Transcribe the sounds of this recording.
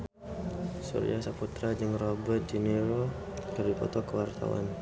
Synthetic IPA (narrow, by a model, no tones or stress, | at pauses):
sṵɾḭasaput̪ɾad͡ʒəŋrobət̪̚d͡ʒineɾo | kərdipɔ̰t̪ɔkəwart̪a̰wa̰n